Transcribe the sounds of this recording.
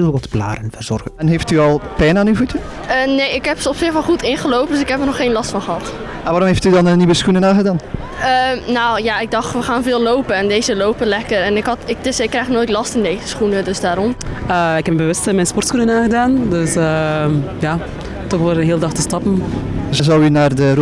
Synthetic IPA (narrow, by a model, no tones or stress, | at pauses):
ʋɑtbla̰ːɾənvərz̥ɔrɣəɛnɦeftyɔlˠpɛjnaːnyvutə | ənejɪkɦɛpsəɔpsɪxfɔχutɪnχəlowp̚døsɪkɦɛpənɔχːeːnlɑstfɑnχəɦɑt | maʋaːɾɔmɦeftydɑnəniʋəsxunənaːɣədaːn | ənawjaɪɡ̚dɑxtʋəχaːnvɪːlˠlowpənɛndejzəlowpəlɛkəɾɛnɪkɦɑtɪk̚dɪsɪkːrɛjxnojtlɑstɪndejzəsχunədøsdaːɾɔməːɪkɛmbəʋɵstəmɛjnspɔrtsxunənaːɣədaːndøsəjaː | tɔxʋɪlˠɦeːlˠdɑxtəstɑpənzəzɔwynaːrdər